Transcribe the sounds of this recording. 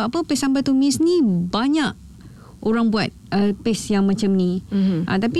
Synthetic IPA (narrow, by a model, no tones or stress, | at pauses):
apəpesambat̪umisnibaɲaʔ | ʔoɾaŋbuat̪̚əpesjaŋmãt͡ʃamniʔa̰t̪api